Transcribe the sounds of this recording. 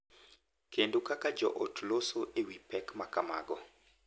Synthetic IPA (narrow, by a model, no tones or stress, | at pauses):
kʰendokakad͡ʒɔ̰ʔotlosoʔewipɛkmakama̰ɡɔ